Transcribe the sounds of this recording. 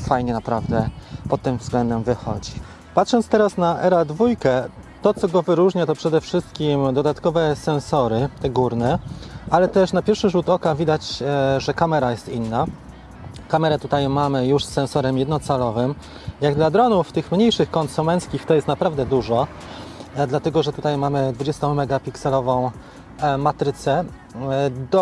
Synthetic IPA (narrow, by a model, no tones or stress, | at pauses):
fajɲɛnapɾavd̪ɛpɔt̪ːɘmvzɡlɛnd̪ɛmvɘxɔ̰d͡ʑi | pat̪ʂɔnt̪st̪ɛɾasnaʔɛɾad̪vujkɛt̪ɔt̪sɔɡɔvɘɾuʐɲat̪ɔpʂɛd̪ɛfʂɘst̪̚kʲimd̪ɔd̪at̪kɔvɛsɛnsɔɾɘt̪ɛɡuɾnɛʔalɛt̪ɛʂnapʲjɛɾfʂɘʐut̪ɔkavʲid̪at͡ɕʐɛkamɛɾajɛst̪inːa | kamɛɾɛt̪ut̪ajmamɘjuʂsːɛnsɔɾɛmjɛd̪nɔt̪salɔvɘm | jaɡd̪lad̪ɾɔnuft̪ɘxmɲejʂɘxkɔnsumɛnt̪skʲixt̪ɔjɛst̪napɾavd̪ɛd̪uʐɔ | d̪lat̪ɛɡɔʐɛt̪ut̪ajmamɘd̪vud͡ʑest̪ɔ̃w̃mɛɡapʲiksɛlɔvɔ̃w̃ | mat̪ɾɘt̪sɛ | d̪